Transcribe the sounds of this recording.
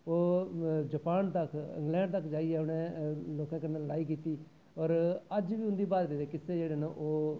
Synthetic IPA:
oːd͡ʒəpaːnt̪əkɪ̰̃ŋɡlɛ̃ːɳɖt̪əkd͡ʒaːiːɛːʊnẽːloːkãːkəɾnãːlaːiːk̬iːt̪iː | ɔːɾəd͡ʒʋiːʊ̃nd̪iːbaːd̪keːd̪eːkɪseːd͡ʒeːɽeːnãːʔoː

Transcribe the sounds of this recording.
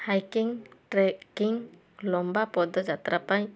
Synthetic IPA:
hajkiŋʈɾɛkiŋ | lɔmbapɔd̪ɔd͡ʒat̪ɾapaɲ

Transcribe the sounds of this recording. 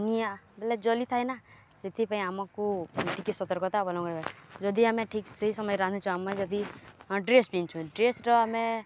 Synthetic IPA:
nibeled͡ʒɔlit̪ʰajna | set̪ʰipaĩamakuʈikit̪sɔt̪ɔɾkɔt̪abɔlãkɔɾad͡ʒɔd̪ʱiamẽʈʰikseɦisɔmɔjɾãnd̪et͡ʃʰuamɔjd͡ʒɔd̪iɖɾesbint͡ʃʰũɖɾesʈɔame

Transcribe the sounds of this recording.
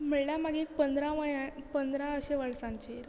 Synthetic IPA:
m̤əɭljamaɡeːk̚pənd̪ɾaʋpənd̪ɾãəɕeʋəɭsãɲt͡ɕeɾ

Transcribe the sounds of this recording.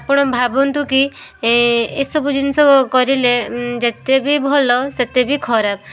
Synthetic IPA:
pɔɽ̃ɔbʱabɔnt̪uki | esɔbud͡ʒinsɔkɔɾiled͡ʒet̪ebibʱɔlɔset̪ebikʰɔɾab̚

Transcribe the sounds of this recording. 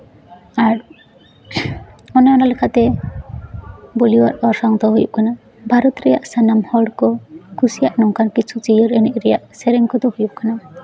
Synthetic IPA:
aɾ | ɔnɛɔnalɛkʰat̪ɛ | boliwaɾɔɾsaŋt̪ɔɦujuʔkana | bʱaɾɔt̪ɾɛjaʔsanamhɔɽkɔkʰusijaʔnɔŋkankit͡ʃʰut͡ʃijɔɾɛnɛʔɾɛjaʔsɛɾɛŋkɔd̪ɔhujuʔkana

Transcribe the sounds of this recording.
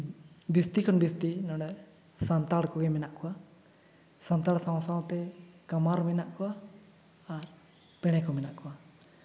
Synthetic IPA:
bist̪ikʰɔnbist̪inɔɽ̃ɖɛ | sant̪aɽkɔɡɛmɛnaʔkʰɔwa | sant̪aɽsãw̃saw̃t̪ɛkamaɾmɛnaʔkɔwaː | ɾ | pɛɽ̃ɛkɔmɛnaʔkɔwa

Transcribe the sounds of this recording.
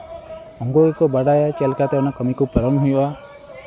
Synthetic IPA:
ɔŋɡoɡikɔbaɽajat͡ʃelkat̪eɔnakəmikupəɾɔnɦujba

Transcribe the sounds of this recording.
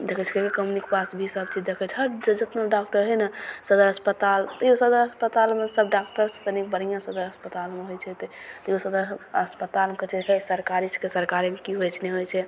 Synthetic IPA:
d̪ekʰət͡ʃʰkekekəmunikpasbʱisəbt͡ʃʰid̪ekʰət͡ʃʰɦəɾd͡ʒd͡ʒət̪naɖak̚ʈəɾɦɛnasəd̪əɾɦəspət̪alt̪usəd̪əɾəspət̪almesəbɖak̚ʈəɾsət̪ənik̚bəɽijãsəd̪əɾəspət̪almeɦojt͡ʃʰɛt̪t̪jusəd̪əɾəspət̪almekət͡ʃʰikʰasəɾkaɾiskesəɾkaɾemekiɦojt͡ʃʰnɛɦojt͡ʃʰɛ

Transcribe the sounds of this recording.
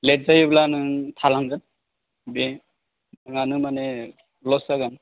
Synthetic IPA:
let̚zajiblanɯtʰalaŋzan | be | aŋanɯmane | lɔsaɡan

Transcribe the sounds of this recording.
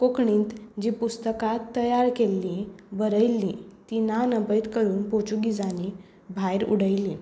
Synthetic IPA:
kokɳĩːnt̪d͡ʑipust̪əkat̪ːəjaɾkelːibəɾəjlːĩt̪inanəbəjt̪kəɾuːnpot͡ɕuɡid͡zani | bʱajɾṵɽəjlĩ

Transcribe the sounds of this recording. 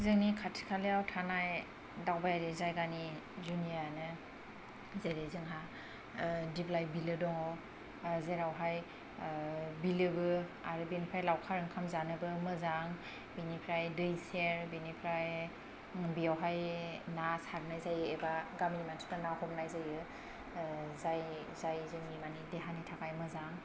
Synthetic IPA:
zɯŋnikʰatʰi̥kʰaleawtʰanaj | dawbajaɾezajɡani | zunijanɯ | zeɾezɯŋɦa | diblajbilɯdɔŋɔ | zeɾawɦaj | bilɯbɯaɾɯbinipʰɾajlawkʰaɾɯŋkʰamzanɯbɯmɯzaŋ | binipʰɾajdɯjseɾbinipʰɾaj | bijawɦajnasaɡ̚najzajɯebaɡaminimantʰɯ̥kanahɔmnajzajɯ | zaj | zajzɯŋnimanideɦanitʰakajmɯzaŋ

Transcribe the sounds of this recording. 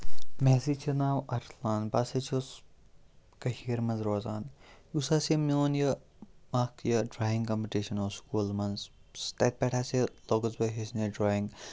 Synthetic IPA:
mɛːzit͡ʃʰɐnaːwɐɾtʰlaːnpaːset͡ʃʰos | kɐhiːɾmɐnzɾoːzaːnjusaːsemioːnjɐ | maːkʰjɐɖɾaːjĩŋɡkɐmpiʈiʃɐnoːskuːlmɐnzst̪eːt̪̚pɛʈʰaːseloːɡɐzbɐɦesneɖɾoːĩŋɡ

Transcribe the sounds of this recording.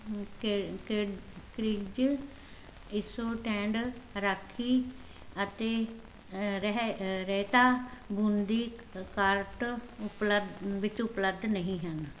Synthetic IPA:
kekɾɪd͡ʒ | ɪsoːʈɛ̃ːɳɖɾəkʰiː | ət̪eː | ɦɾɛɦt̪aːɡʊnd̪iːkaːɾʈʊpləʋɪt͡ʃʊpləb̚d̪nəɦĩɦən

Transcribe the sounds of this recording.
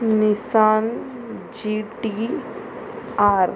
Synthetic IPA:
nisaːn | d͡ʒiʈi | aːɾ

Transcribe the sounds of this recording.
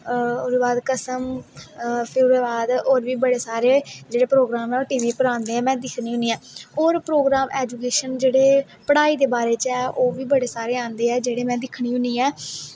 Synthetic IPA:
ʊɾːbaːd̪kəsəm | pʰɪɾʊɾeːbaːd̪oːɾʋiːbəɽeːsaːɾeːd͡ʒeːɽeːpɾoːɡɾaːmɛ̃ːoːʈiːʋiːpəɾãːnd̪eːɛːmɛ̃ːd̪ɪkʰnĩːɦʊniːɛ̃ːoːɾpɾoːɡɾaːmʔɛːd͡ʒuːkeːʃənd͡ʒeːɽeː | pəɽaːiːd̪eːbaːɾeːt͡ʃɛːʔoːʋiːbəɽeːsaːɾeːãːnd̪eːɛːd͡ʒeːɽeːmɛ̃ːd̪ɪkʰɽ̃iːɦʊniːɛː

